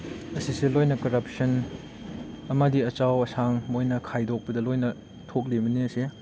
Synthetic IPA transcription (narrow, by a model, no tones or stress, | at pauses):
ɐsiselojnɐkɐɾɐp̚sɐn | ɐmɐdiɐt͡ʃawɐsaŋmojnɐkʰajdok̚pɐdɐlojnɐ | tʰok̬̚limɐniɐse